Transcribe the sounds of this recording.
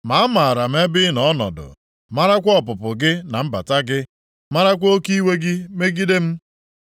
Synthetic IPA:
ma˨˦ma˨ɾa˨m̩˦e˦bɪ˦nɔ˨˦nɔ̰˨dʊ̰˨ | ma˦ɾa˦kʷɔ˦pʊ˨pʊ˨ɡɪ˦na˨m̩˦ba̰˨ta˦ɡɪ˦ | ma˦ɾa˦kʷo˦ki˦we˦ɡɪ˦me˦ɡi˦de˦m̩˦

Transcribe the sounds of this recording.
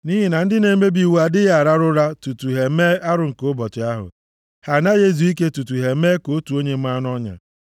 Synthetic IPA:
ni˦ɦi˨na˨n̩˦dɪ˦ne˨˦me˦bi˨wu˦a˨dɪ˦ja˨ɾa˦ɾʊ˦ɾa˦tu˨tu˨ɦe˨me˦a˦ɾʊ˨ŋ̩˨ko˦bɔ˨tɪ˨a˦ɦʊ̰˨ | ha˨na˦je˦zu˨i˦ke˦tu˨tu˨ɦe˨me˦ko˨˦tu˨o˦ɲe˦m̩m̩˦a˦n˦ɔ˦ɲa̰˨

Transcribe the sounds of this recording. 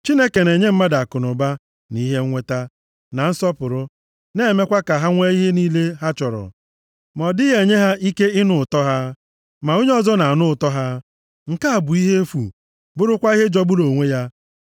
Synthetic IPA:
t͡ʃi˦ne˦ke˨ne˨ɲe˦m̩˦ma˦da˨kʊ˨nʊ˨ba˦ | ni˦ɦe˦ŋʷe˦ta˦ | na˨n̩˦sɔ˦pʊ˨ɾʊ˦ | ne˦˨me˦kʷa˦ka˨ɦa˦ŋʷe˦i˦ɦe˦ni˦le˦ɦa˦t͡ʃɔ˨ɾɔ̰˨ | mɔ˨dɪ˦ɦe˨ɲe˦ɦa˦ʔi˦ke˦ɪ˦nʊ˦ʊ˨tɔ˦ɦa˦ | ma˨o˦ɲe˦ɔ˦zɔ˦na˨a˨nʊ˦ʊ˨tɔ˦ɦa˦ | ŋ̩˨ka˦a˨bʊ˨i˦ɦe˦fṵ˨ | bʊ˦ɾʊ˦kʷa˦i˦ɦe˦d͡ʒɔ˦bʊ˦lo˨ŋʷe˦ja˦

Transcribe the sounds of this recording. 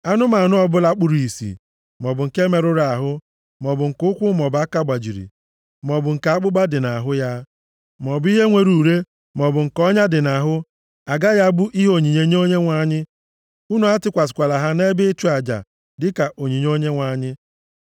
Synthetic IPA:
a˦nʊ˦ma˨nʊ˦ɔ˨bʊ˦la˦k͡pʊ˦ɾi˨sḭ˨ | mɔ˨bʊ˨ŋ̩˨ke˦me˨ɾʊ˦ɾa˨ɦʊ˦ | mɔ˨bʊ˨ŋ̩˨kʊ˦kʷʊ˦mɔ˨ba˦ka˦ɡ͡ba˨d͡ʒi˨ɾḭ˨ | mɔ˨bʊ˨ŋ̩˨ka˨a˦k͡pʊ˦ɡ͡ba˦dɪ˨na˨ɦʊ˦ja˦ | mɔ˨bi˦ɦe˦ŋʷe˨ɾu˨ɾe˦ | mɔ˨bʊ˨ŋ̩˨kɔ˦ɲa˦dɪ˨na˨ɦʊ˦ | a˨ɡa˦ja˦bu˦ʔi˦ɦo˨ɲi˨ɲe˨ɲ˦o˦ɲe˦ŋʷa˦ɲɪ˦ | u˦nu˨˦a˦tɪ˦kʷa˨s̬ɪ̥˨kʷa˨la˨ɦa˦ne˦bɪ˦tu˦a˨d͡ʒa̰˨ | dɪ˦ka˨ʔo˨ɲi˨ɲ˦o˦ɲe˦ŋʷa˦ɲɪ˦

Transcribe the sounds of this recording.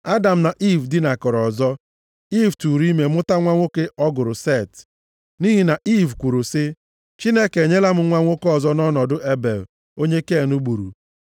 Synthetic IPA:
a˦da˨m̩˨na˨ʔi˦vdɪ˦na˨kɔ˨ɾɔ˨zɔ˦ | i˦vtu˨ɾi˦me˨mʊ˦ta˦ŋʷa˦ŋʷo˦ke˦ʔɔ˦ɡʊ˨ɾʊ˨se˦˨t | ni˦ɦi˨na˨ʔi˦vkʷu˨ɾu˨sɪ˦ | t͡ʃi˦ne˦ke˨ɲe˦la˦mʊ˦ŋʷa˦ŋʷo˦kɔ˦˨zɔ˦nɔ˦nɔ˨dʊ˦ʔe˦be˨l | o˦ɲe˦ke˦˨nu˦ɡ͡bu˨ɾṵ˨

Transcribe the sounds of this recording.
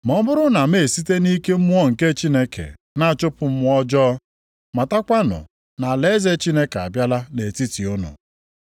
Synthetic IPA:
mɔ˦bʊ˦ɾʊ˦na˨me˦˨si˦te˦ni˦ke˦m̩˦mu˦ɔ˦˨ŋ̩˨ke˦t͡ʃi˦ne˦kʰḛ˨ | na˦˨t͡ʃʊ˦pʊ˨m̩˦ɔ˦d͡ʒɔ˦ | ma˨ta˦kʷa˦nʊ̰˨ | na˨le˦ze˦t͡ʃi˦ne˦ka̰˨bja˦la˦ne˨ti˦ti˨ʊ˦nʊ̰˨

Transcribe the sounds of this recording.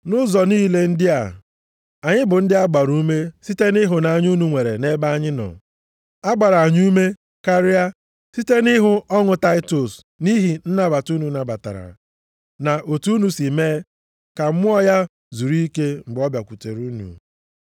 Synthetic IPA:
nʊ˦zɔ˨niː˦le˦n̩˦dɪ˦a˨ | a˨ɲɪ˦bʊ˨n̩˦dɪ˦a˦ɡ͡ba˨ɾu˦me˦si˦te˦ni˦ɦʊ˨na˨ɲ˦u˦nu˨ŋʷe˨ɾḛ˨ne˦ba˦a˦ɲɪ˦nɔ̰˨ | a˦ɡ͡ba˨ɾa˨ɲ˦u˦me˦ | ka˦ɾɪ˦a˦ | si˦te˦ni˦ɦʊ˦ʔɔ˦ŋʊ˦ta˦ɪ˦to˨s | ni˦ɦi˨n̩˦na˦ba˨tu˦nu˨na˨ba˨ta̰˨ɾa̰˨ | na˨ʔo˨tu˦nu˨si˨meː˦ | ka˨m̩˦mʊ˦ɔ˦ja˦ | zu˨ɾi˦ke˦m̩˨bɔ˦bja˨kʷu˨te˨ɾu˦nṵ˨

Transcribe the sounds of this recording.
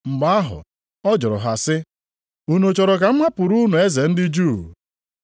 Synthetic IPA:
ŋ͡m̩˨ɡ͡ba˦a˦ɦʊ̰˨ | ɔ˦d͡ʒʊ˨ɾɔ̰˨ɦa˨sɪ˦ | u˦no˨t͡ʃɔ˨ɾɔ˨ka˨m̩˦ma˦pʊ˨ɾu˦nu˨e˦ze˨n̩˦dɪ˦d͡ʒuː˦˨

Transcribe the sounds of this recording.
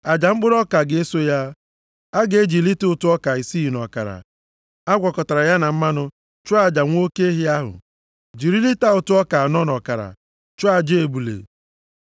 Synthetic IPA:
a˨d͡ʒa˨ŋ͡m̩˦ɡ͡bʊ˦ɾɔ˦ka˨ɡe˦so˦ja˦ | a˦ɡe˦d͡ʒi˨li˦tʊ˦tʊ˦ɔ˦ka˨i˨si˦˨nɔ˨ka̰˨ɾa̰˨ | a˦ɡʷɔ˨kɔ˨ta˨ɾa˨ja˦na˨m̩˦ma˦nʊ˦ | t͡ʃʊ˦a˨d͡ʒa˨ŋʷ˦o˦ke˦e˦ɦi˦a˦ɦʊ̰˨ | d͡ʒi˨ɾi˦li˦ta˦ʊ˦˨tʊ˦ɔ˦ka˨a˨nɔ˦nɔ˨ka˨ɾa̰˨ | t͡ʃʊ˦a˦˨d͡ʒe˦e˨bu˨lḛ˨

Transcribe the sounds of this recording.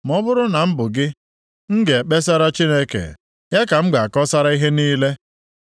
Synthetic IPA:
m˨ɔ˦bʊ˦ɾʊ˦na˨m̩˦bʊ˨ɡɪ˦ | ŋ̩˦ɡe˨e˨k͡pe˦s̬a˦ɾa˦t͡ʃi˦ne˦kḛ˨ | ja˦ka˨m̩˦ɡ͡ba˨kɔ˦sa˦ɾa˦i˦ɦe˦niː˦le˦

